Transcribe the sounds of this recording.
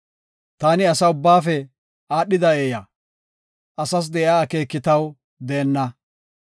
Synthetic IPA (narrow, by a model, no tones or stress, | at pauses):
t̪aːnɪɐsɐʊbːaːfɛ | aːɗːɪd̪ɐeːjɐ | ʔɐsɐs̬d̪ɛʔaːke̞ːkːɪt̪ɐw | d̪eːnːɐ